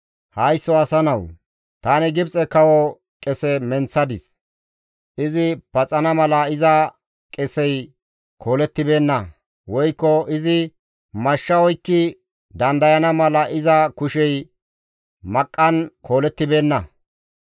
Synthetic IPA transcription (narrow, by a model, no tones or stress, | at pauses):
hɐjsːɔɐsɐnɐw | t̪aːnɪɡɪbt͡sʼɛkɐwɔ | kʼɛsɛmɛnt͡sːɐd̪ɪs | ʔɪzɪpɐt͡sʼɐnɐmɐlɐɪzɐ | kʼɛsɛj | kʰo̞ːlɛt̪ːɪbe̞ːnːɐ | wɔjkːɔɪzɪ | mɐʃːɐwɔjkːɪ | d̪ɐnd̪ɐjɐnɐmɐlɐʔɪzɐkʊʃɛj | mɐkʼːɐnkʰo̞ːlɛt̪ːɪbe̞ːnːɐ